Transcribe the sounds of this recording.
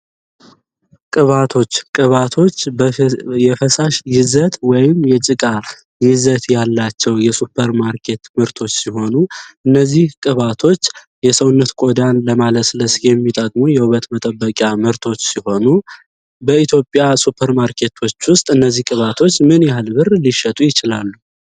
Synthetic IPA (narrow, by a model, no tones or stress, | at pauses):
kʼɨβat̪ʰo̞t͡ʃːkʼɨβat̪ʰo̞t͡ʃː | jɛfəsaʃjɪzət̪wɔjɪmjɛt͡ʃʼɨkʼa | jɪzət̪jalːat͡ʃːɛwjɛsupʰːəɾmaɾkʰe̞t̪mɨɾt̪ʰo̞t͡ʃːsiɦo̞nuʔɨnːəzːihkʼɨβat̪ʰo̞t͡ʃː | jɛsəwʊnːət̪kʼo̞d̪anləmaləsɨləsjɛmːit̪ʼəkʼmojɛhuβət̪mət̪ʼəbːəkʼjamɨɾt̪ʰo̞t͡ʃːsiho̞nu | bəit̪ʰjo̞pʼjasupʰːəɾmaɾkʰe̞t̪ʰwo̞t͡ʃːwʊst̪ʼɨnːəzːihkʼɨβat̪ʰo̞t͡ʃːmɨnjaalbɨrliʃːət̪ʼujɪt͡ʃɪlalːu